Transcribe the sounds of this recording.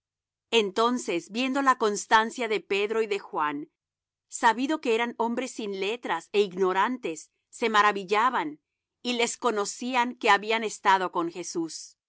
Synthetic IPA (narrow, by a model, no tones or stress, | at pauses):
ent̪o̞nse̞sbje̞nd̪olako̞nst̪ansjaðe̞pe̞ðɾo̞iðe̞xwan | saβiðoke̞eɾano̞mbɾe̞sinle̞t̪ɾase̞iɡno̞ɾant̪e̞sː | e̞maɾaβiʝaβan | ile̞sko̞no̞siaŋke̞aβiane̞st̪aðo̞ko̞ŋxe̞sus